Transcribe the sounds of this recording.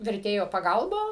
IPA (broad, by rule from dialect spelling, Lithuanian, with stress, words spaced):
ʋʲɛrʲˈtʲeːjoː pɐˈɡɐlˠbɐ